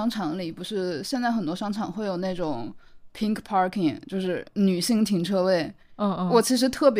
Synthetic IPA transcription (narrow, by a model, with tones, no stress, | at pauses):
ɑ˥ŋʈ͡ʂʰɑ˧˥ŋli˨˩pu˧˥ʂɻ̩˥˧ɕjɛ˥˧nt͡sa˥˩ɪxə˨˩nt̪wɔ˥ʂɑ˥ŋʈ͡ʂʰɑ˨˩ŋxwe˥˩ɪjo˨˩ʊna˥˩ɪʈ͡ʂʊ˨˩˦ŋpʰi˥ŋkpʰɑ˥kʰi˨˩ŋt͡ɕjo˥˧ʊʂɻ̩˥˩ny˨˩ɕi˥˩ŋt̪ʰi˧˥ŋʈ͡ʂʰɤ˥we˥˩ɪ˥˧ | wɔ˨˩t͡ɕʰi˧˥ʂ̬ɻ̩˧˥t̪ʰɤ˥˩p̬j